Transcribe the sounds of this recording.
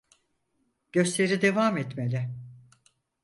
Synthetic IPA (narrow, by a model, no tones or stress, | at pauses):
ɟ̥ø̞slʲe̞ɾid̪e̞vaːmɛt̪melʲɛ